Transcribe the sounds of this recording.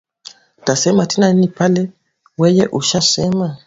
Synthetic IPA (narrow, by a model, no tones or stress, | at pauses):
tasɛmatinaninipalɛ | wɛjɛʔuʃasɛma